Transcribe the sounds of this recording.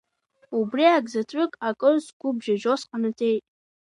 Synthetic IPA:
ubriaɡzatʰʼʊkʼakʼɨrzɡʷʊbʒaʒosqanɨtʰʼejtʼ

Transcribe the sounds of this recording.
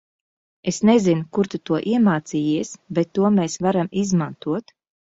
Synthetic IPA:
esnezinukuɾt̪ut̪uɔʔiɛmaːt̪siːjiɛsbɛt̪ːuɔmeːsvaɾamizmant̪uɔt̪

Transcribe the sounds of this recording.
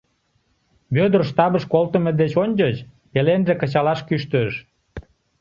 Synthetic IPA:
βød̪ərʃt̪ɑβəʃkolt̪əmed̪et͡ɕonʲd͡ʑət͡ɕ | pelenʒekət͡ɕɑlɑʃkyʃt̪øʃ

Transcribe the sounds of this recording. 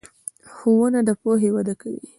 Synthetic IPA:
xowunad̪əpoɦewad̪akawḭ

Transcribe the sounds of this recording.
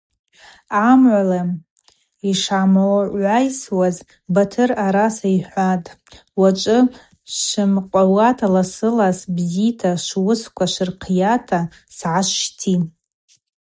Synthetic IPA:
amʕʷala | iʂʕamaʔʷajswaz | batʰɨraɾasaiħʷatʼ | wat͡ʃʷʼɨ | ʃʷɨmqʷʼawatʰalasɨlasbzitʰaʃʷwʊskʷʰaʃʷɨrqʰjatʰa | sʕaʃʃtʰi

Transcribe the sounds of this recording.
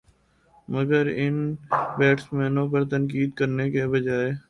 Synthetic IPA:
mɐɡəɾɪnbɛːʈsmɛːnõp̬ɐɾt̪ənk̬iːd̪kəɾnekebɐd͡ʒaːe

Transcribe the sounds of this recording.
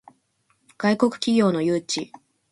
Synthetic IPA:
ɡ̥aiko̞kɯ̟̥kʲiɡʲo̞ːno̞jɯːt͡ɕi

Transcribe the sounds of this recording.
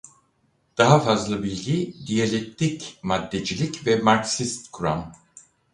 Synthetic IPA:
d̪̥aɦafazlˠɯbilʲɟid̪ijalʲett̪ʰːicmad̪ːed͡ʒilʲicvɛmaɾksist̪kʰuɾa̰m

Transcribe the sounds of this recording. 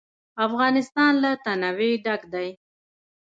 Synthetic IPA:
afɣɑnɪst̪ɑnlat̪anaweɖaɡd̪aj

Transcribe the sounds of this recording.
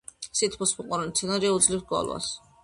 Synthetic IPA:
sit̪ʰpʰɔsmuqʼɔɾanit̪sʰɛnaɾiaud̪zlifsɡɔ̰lˠwa̰s

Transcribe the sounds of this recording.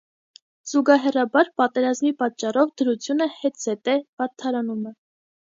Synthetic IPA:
z̥uɡɑɦɛrɑbɑɾpɑt̪ɛɾɑzmipɑt̪̚t͡ʃːɑrɔvd̪əɾut͡sʰjunəhɛt̪z̥ɛt̪ɛb̥ɑɾt̪ʰɑɾɑnumɛ

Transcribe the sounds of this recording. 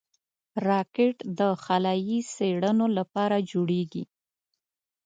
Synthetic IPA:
ɾɑkeʈd̪əxalɑjiseɽənolapɑɾad͡ʒoɽeɡḭ

